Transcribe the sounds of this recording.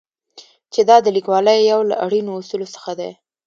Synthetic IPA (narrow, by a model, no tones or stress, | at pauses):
t͡ʃed̪ɑd̪əlikwɑləjːawla̰ʔaɽinoːsulosə̥xad̪ḛ